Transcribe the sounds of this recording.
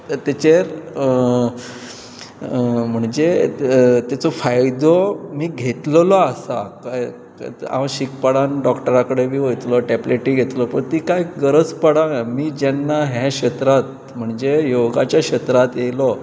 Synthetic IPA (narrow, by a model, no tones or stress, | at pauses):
t̪et͡ɕeɾ | m̤əɳd͡ʑe | t̪jat͡sɔfajd̪ɔmiːɡʱet̪llɔasa̰kaj | ã̰ɕikpəɽanɖɔkʈəɾakəɽebiːʋəjt̪lɔʈɛpleʈiːɡʱet̪lɔpəɳt̪ikajɡəɾət͡spəɽamiːd͡ʑɛnːaɦɛ̃ɕət̪ɾat̪̚ | m̤əɳd͡zejoɡat͡ɕjaɕət̪ɾat̪jelɔ